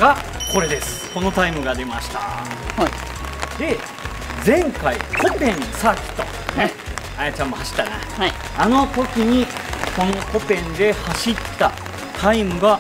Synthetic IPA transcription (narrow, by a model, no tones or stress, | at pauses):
ɡa | ko̞ɾe̞d̪e̞sɨ̥ko̞no̞t̪aimɯ̟ɡad̪e̞maɕi̥t̪a | d̪e̞ | d͡zẽ̞ŋkaikʰõmpẽ̞nsaːkʲi̥t̪o̞̰ | ne | at͡ɕãmt̪ohaɕi̥t̪ːana̰ | ano̞t̪o̞kʲiɲ̟iko̞no̞ko̞pẽ̞nd̪e̞haɕit̪ːa | t̪ʰaimɯ̟ɡa